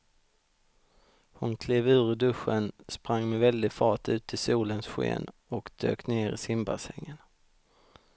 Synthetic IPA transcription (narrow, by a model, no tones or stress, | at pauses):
hʊnkʰleːvʉ̟ːɾəɖɵɧːənspɾaŋːmɛvɛld̪ɪɡfɑːʈʉ̟ːt̪ʰɪsuːlənsɧḛːnɔkd̪̥ø̰ːkneːɾɪ̰sɪmba̰sɛ̰ŋːən